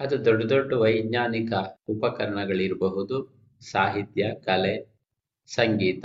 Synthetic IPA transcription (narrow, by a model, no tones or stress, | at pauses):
ɐd̪ud̪ɔɖːɐd̪oɖːuʋɐjɡɲaːnikɐupɐkɐɾɐɳɐɡɐɭiɾbɐɦud̪u | saːɦit̪jɐkɐle | sɐŋɡiːt̪ɐ